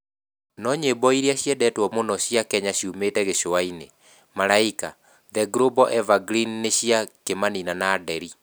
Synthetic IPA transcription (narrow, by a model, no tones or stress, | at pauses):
nɔɲebɔiɾiaɕiɛdɛtwɔmonɔɕjakɛɲaɕiumetɛɣeɕoaine | maɾaika | ðɛɡɾobɔʔɛvaɡɾinːeɕiakemaninanaːdɛɾi